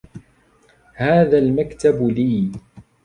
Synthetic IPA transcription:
haːðaːlmakt̪abliː

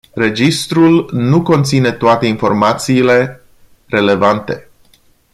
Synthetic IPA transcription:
re̞d͡ʒist̪ɾulnuko̞nt̪sine̞t̪oat̪e̞info̞rmat̪siːle̞ | re̞le̞vant̪e̞

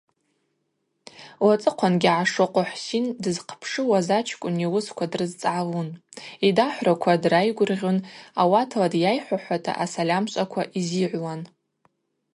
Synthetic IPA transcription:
wat͡sʼɨqʷʰanɡʲiʕaʂɨqʷʼʊħʷsindɨzqʰpʰʂɨwazat͡ʃʰkʷʼʊniwʊskʷʰadrɨzt͡sʼʕawunidaħʷrakʷʰadrajɡʷʊrʁʲonawatʰladjajħʷaħʷatʰa̰ʔasalʲamɕʷʼakʷʰaʔiziʕʷwan

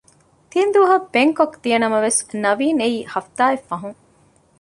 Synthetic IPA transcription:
t̪ind̪uɐɦɐbeŋkokd̪ijɐnɐmɐʋesnɐʋiːneiːhɐft̪aːefːɐɦuŋ

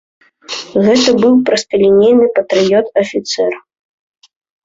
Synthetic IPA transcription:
ɣɛt̪ɐbɨwpɾɐst̪ɐlʲinʲejnɨpɐt̪ɾɨjɔt̪ɐfʲit̪sɛr

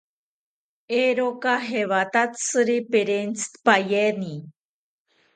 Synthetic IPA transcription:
eɾokaɦeβat̪at͡sɨɾipeɾent͡st̪pajeni

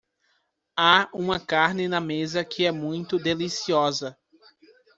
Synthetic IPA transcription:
aũmɐkaɾnɪnɐmezɐkʰɪɛmũj̃t̪ʊd̪elisiɔzɐ

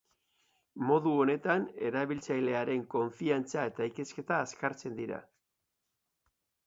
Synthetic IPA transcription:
mo̞ðuone̞t̪ane̞̰ɾaβ̞ilt͡sajle̞aɾe̞ŋko̞ɱfiant͡sae̞t̪aike̞ske̞t̪aːskaɾt͡se̞nd̪iɾa̰

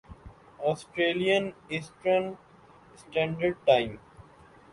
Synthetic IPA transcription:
ɔːsʈɾeːlijə̃nesʈɾə̃n | sʈɛ̃ːɳɖəɾɖ̚ʈãɪ̃m

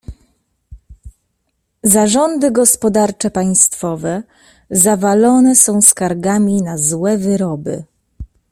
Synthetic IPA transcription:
zaʐɔnd̪ɘɡɔspɔd̪aɾt͡ʂɛpaj̃st̪fɔvɛ | zavalɔnɛsɔ̃w̃skaɾɡamʲinazwɛvɘɾɔbɘ̰

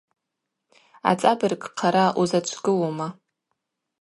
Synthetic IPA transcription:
a̰t͡sʼabɨrkʼqʰaɾaʔuzat͡ʃʷʰɡɨwoma

